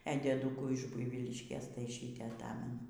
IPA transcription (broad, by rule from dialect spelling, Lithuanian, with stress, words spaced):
ɛ dʲiɛˈdʊkuː ɪʃ ˈbʊɪʋʲiːlʲɪʃʲkʲeːs tɐɪ ˈʃʲiːtʲeː ɐˈtɑːmʲɛnʊ